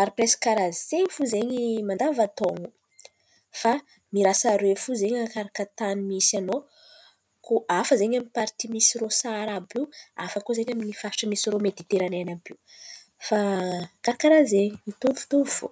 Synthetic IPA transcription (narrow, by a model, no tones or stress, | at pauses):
aɾipɾeskaɾazieɲfuzeɲimand̪avat̪oŋu | fa | miɾasaɾefuzeɲakaɾakət̪animisano | kʰoʔafəzeɲaminpaɾt̪imisirosaɾabia̰fəkozeɲaminifaʈ͡ʂamisiɾomed̪it̪eɾanenapiu | fakaɾakaɾazemit̪ufu̥t̪ufu̥̰